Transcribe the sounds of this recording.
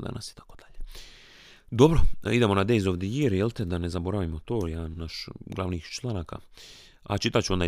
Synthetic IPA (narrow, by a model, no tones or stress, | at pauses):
d̪a̰nʔa̰si̥t̪ḁkod̪̥aʎe | d̪obɾoid̪emonad̪ejzoʋd̪ʲejieɾjelt̪ed̪anezabo̞ɾaʋimo̞t̪oːjanaʃɡlˠaʋniːxt͡ʃlˠanaka̰ | a̰t͡ʃit̪at͡ʃuond̪a